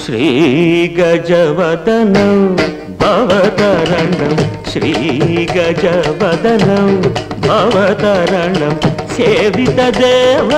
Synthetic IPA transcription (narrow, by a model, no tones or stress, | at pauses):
ʃɾiɡɐd͡ʒɐʋɐd̪ɐnɐm | bʱɐʋɐt̪ɐɾɐɳɖɐmʃɾiːɡɐd͡ʒɐʋɐd̪ɐnɐm | bʱɐʋɐt̪ɐɾɐɳɖɐmseʋit̪ɐd̪eːʋɐ